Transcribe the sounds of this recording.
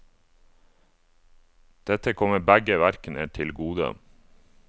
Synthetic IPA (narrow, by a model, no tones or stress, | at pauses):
d̪̥ɛt̪əkʰɔməbæɡəʋæɾknə̰ʈʰɪlɡuːd̪ə̰